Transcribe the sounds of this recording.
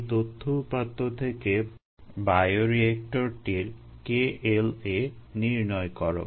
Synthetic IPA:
t̪ot̪ʰːopat̪ːot̪ʰeke | bajoɾiek̚ʈoɾʈiɾ | keeleniɾnɔekɔɾo̰

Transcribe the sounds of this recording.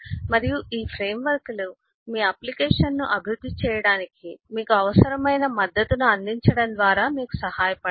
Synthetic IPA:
mɐɾijuʔiːpʰɾeːmʋɐɾklu | miːɐplikɛːʂɐnːṵʔɐbʱiɾud̪ʱːit͡ʃɛːjɐɽaːnikimiːkuɐʋɐsɐɾɐmɐjnɐmɐd̪ːɐt̪unuɐnd̪iɲt͡ʃɐɽɐnd̪ʋaːɾaːmiːku̥sɐhaːjɐpɐ

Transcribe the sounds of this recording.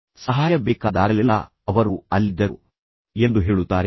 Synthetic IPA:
sɐɦaːjɐbɛːkaːd̪a̰ːɾɐlilːɐ̰ | ɐʋɐɾuɐlːid̪ːɐɾu | e̞nd̪uɦeːɭut̪ːaːɾe

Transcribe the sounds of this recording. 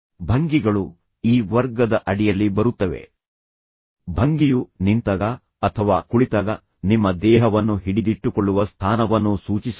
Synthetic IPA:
bʱɐŋɡiɡɐɭu | iːʋɐɾɡɐd̪ɐʔɐɽijɐlːibɐɾut̪ːɐʋe̞̰ | bʱɐŋɡijunint̪ɐɡɐː | t̪ʰɐʋaːkuɭit̪ɐɡɐ | nimːɐd̪ɛːɦɐʋɐnːuɦiɽid̪iʈːukɔɭːuʋɐst̪ʰaːnɐʋɐnːusuːt͡ʃis

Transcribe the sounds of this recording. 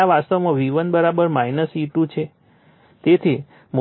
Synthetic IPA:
aʋast̪əmãʋiʋənbəɾabəɾmainəsiʈũt͡ʃʰe | t̪et̪ʰi | mo

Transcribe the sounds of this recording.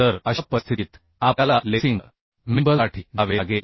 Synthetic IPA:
t̪əɾəɕpəst̪ʰiːt̪ | apalalesiŋ | mimbəaʈʰiːnaʋeɡel

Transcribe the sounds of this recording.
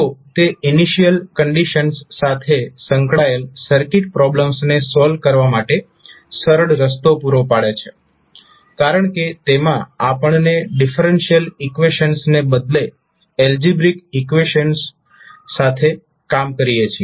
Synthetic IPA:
t̪ot̪eʔiniʃijəlkəɳɖiʃənsːat̪ʰesəŋkɽaelsəɾkiʈ̚pɾɔbləmsnesɔlʋ̚kəɾʋamaʈe | səɾəɭɾəs̬t̪opuɾopaɭet͡ʃʰe̥ | kaɾəɳ̃ket̪emãapəɳneɖifəɾenʃijəlikʋeʃənsnebəd̪le | eld͡ʒibɾikikʋeʃənsː | at̪ʰe | kamkəɾijet͡ʃʰi

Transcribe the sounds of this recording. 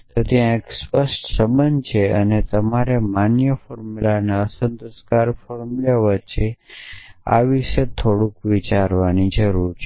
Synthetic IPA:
t̪ot̪jãekspəsʈsəmənd͡ʒt͡ʃʰeənet̪əmaɾemanjəfɔɾmulaneəsənt̪əskaɾfɔɾmulaʋət͡ʃʰe | a̰ʋiʃet̪ʰoɽũkʋit͡ʃaɾʋanid͡ʒəɾuɾt͡ʃʰ

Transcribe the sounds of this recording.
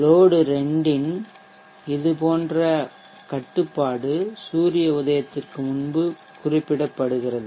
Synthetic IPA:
loːɽɯɾɛɳɖɪn | ɪðɯpoːndrɐ | kɐʈːɯpːaːɽɯsuːɾɪjɐʊðɐjɐt̪ːɪrkɯmʊnbɯ | kʊrɪpːɪɽɐpːɐɽɯɣɪrɐðɯ

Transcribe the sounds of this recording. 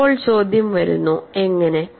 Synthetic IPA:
oːɭt͡ɕo̞ːd̪ʱjɐmʋɐɾṵnːueŋːɐne̞

